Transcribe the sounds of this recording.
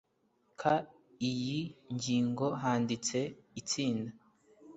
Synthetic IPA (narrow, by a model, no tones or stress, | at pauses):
kʰa | ijiɲɟiːŋɡo̞ɦaːndit͡se̞it͡siːnda